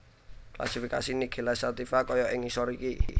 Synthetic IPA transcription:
kla̰sifikasiniɡ̥e̤lasat̪ifakɔjɔʔɪŋisɔɾiki

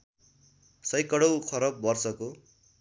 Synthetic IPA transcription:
sʌjkʌɽʌwkʰʌɾʌbːʌrsʌko

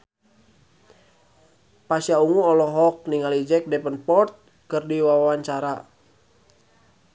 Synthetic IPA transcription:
pasjauŋuɔlɔɦɔk̚niŋalid͡ʒɛk̚dɛpənpɔrt̪̚ | kɨrdiwawawaɲt͡ʃaɾa

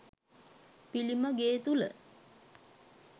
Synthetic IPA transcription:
piliməɡeːt̪ulə̰

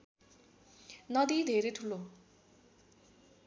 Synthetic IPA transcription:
nʌd̪id̪ʱeɾeʈʰulːo

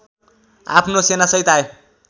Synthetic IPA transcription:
a̰pʰnosenasʌɦit̪ae

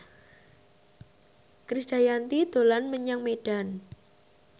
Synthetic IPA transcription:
kɾisd̥a̤jant̪id̪̥o̤lanməɲaŋmeɖ̥a̤n

